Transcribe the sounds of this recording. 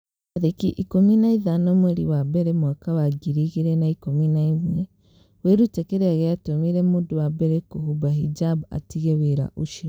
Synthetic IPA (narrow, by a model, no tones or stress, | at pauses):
aðekiʔikominaiðanomweɾiwabɛɾemwakaβaɡiɾiɣiɾenaikominaimwe | weɾutekeɾeaɣeatomiɾemudowabɛɾekohubahid͡ʒaba̰tiɣeweɾa̰ʔuʃiɾo